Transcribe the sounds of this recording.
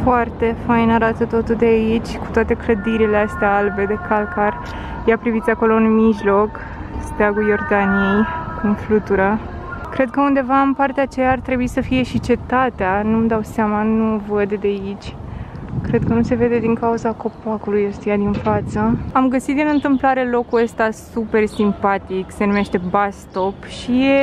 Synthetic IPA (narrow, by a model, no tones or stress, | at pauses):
foart̪e̞fajnaɾat̪ət̪o̞t̪uld̪eait͡ʃʲku̥t̪wat̪e̞kləd̪iɾileast̪eaalbe̞d̪e̞kalkar | japɾivit̪sʲako̞lo̞unmiʒlo̞k | st̪eaɡujo̞rd̪anije̞jkumflut̪uɾa | kɾe̞d̪̚kəund̪e̞vaɨmpart̪eat͡ʃejaːrt̪ɾe̞buisəfije̞ʃit͡ʃe̞t̪at̪eanumd̪awseamanuvəd̪d̪eait͡ʃʲkɾe̞d̪̚kənuse̞ve̞d̪e̞d̪iŋkauzako̞pakulujost̪ijad̪infat̪səamɡəsit̪d̪inɨnt̪ɨmplaɾe̞lo̞kuəst̪asupe̞rsimpat̪ikse̞nume̞ʃt̪e̞bast̪o̞pʃije